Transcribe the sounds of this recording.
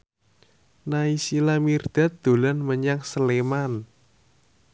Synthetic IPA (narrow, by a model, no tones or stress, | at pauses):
naisilamird̪̥a̤t̪̚d̪̥o̤lanməɲaŋsəleman